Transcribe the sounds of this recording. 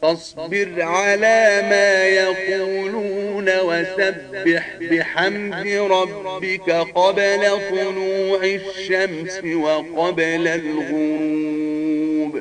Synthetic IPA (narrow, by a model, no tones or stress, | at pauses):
t̪ɑsˤbɪɾʕalaːmaːjɑquːluːnawasabːɪħbɪħamd̪ɪɾˤɑbːɪkaqɑblat̪ˤʊnuːʕaʃːamsɪwɑqɑblalɣʊɾuuːb